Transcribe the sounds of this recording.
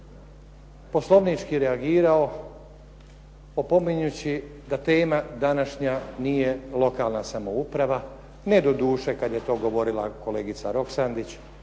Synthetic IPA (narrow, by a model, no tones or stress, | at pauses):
po̞slˠo̞ʋnit͡ʃkiɾeaɡiːɾao̞ | opo̞miɲut͡ɕid̪at̪e̞ːmad̪anaʃɲanije̞lˠo̞kalˠnasamo̞upɾaʋa | ne̞d̪o̞d̪uːʃe̞kad̪je̞t̪o̞ːɡo̞ʋo̞ɾilˠako̞le̞ːɡit̪saɾo̞ksand̪it͡ɕ